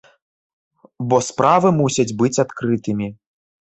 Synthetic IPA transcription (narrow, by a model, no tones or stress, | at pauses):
bɔspɾʔavɨmusʲɐd͡zʲbɨt͡sʲat̪kɾɨt̪ɨmʲi